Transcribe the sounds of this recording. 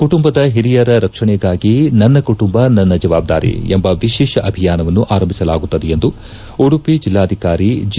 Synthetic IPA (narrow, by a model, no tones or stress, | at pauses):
kuʈumbɐd̪ɐɦiɾijɐɾɐɾɐkʂɐɳɛɡaːɡinɐnːɐkuʈumbɐnɐnːɐd͡ʒɐʋaːb̚d̪aːɾḭembɐʋiʃɛːʃɐʔɐbʱijaːnɐʋɐnːuʔaːɾɐmbʱisɐlaːɡut̪ːɐd̪ɛjend̪u | oɽupid͡ʒilːaːd̪ʱikaːɾid͡ʒ